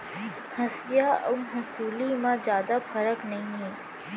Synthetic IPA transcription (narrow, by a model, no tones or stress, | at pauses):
hɐsd̪ijaə̰ɦʊsuːlimãd͡ʒjaːd̪afʰɐɾəknɐɦĩɦɛː